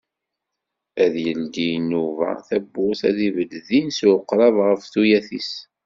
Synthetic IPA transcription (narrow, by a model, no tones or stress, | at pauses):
æðjəld̪inuvæ̰θæbːʊθæðivəlðinswəqːɾˤɑvʁəfθujæθis